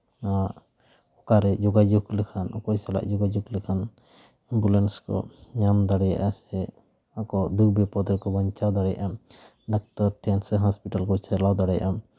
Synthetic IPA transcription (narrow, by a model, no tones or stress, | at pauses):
a | ɔkaɾɛd͡ʒɔɡad͡ʒuɡlɛkʰanʔɔkɔsala̰ʔd͡ʒɔɡad͡ʒuɡlɛkʰan | imbulenskɔ̰ɲamd̪aɽɛja̰ʔasɛ | akɔd̪ubɛpɔd̪ɾkɔbɔɲt͡ʃawd̪aɽɛja̰ʔam | ɖak̚tɔɾʈʰɛnsɛɦɔspiʈalkɔt͡ʃɛɾlawd̪aɽɛja̰ʔam